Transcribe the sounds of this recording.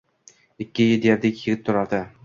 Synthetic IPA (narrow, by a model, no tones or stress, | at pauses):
ɪkʲːɪjɪd̪jeɾd̪ɪkʲjɪɡʲɪp̚t̪ʰʊɾad̪ɪ